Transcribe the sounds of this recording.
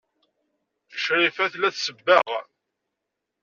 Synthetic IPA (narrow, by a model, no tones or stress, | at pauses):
ə̥ʃɾifæθlæθsəbːəʁ